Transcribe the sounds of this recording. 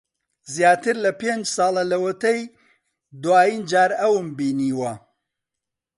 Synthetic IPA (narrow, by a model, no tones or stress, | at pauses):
zjaːt̪ɨɾlɐpend͡ʒsɑːlˠɐlɐwɐt̪ɐj | d̪waːjiːnd͡ʒaːɾɐwɨmbiːniːwɐ